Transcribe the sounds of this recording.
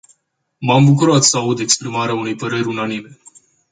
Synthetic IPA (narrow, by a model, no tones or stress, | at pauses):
mambukuɾat̪səaud̪e̞kspɾimaɾeaune̞jpəɾe̞rʲunanime̞